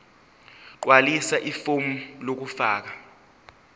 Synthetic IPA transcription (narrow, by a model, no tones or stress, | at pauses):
wʔalisaʔifomulok̬ufaːk̬a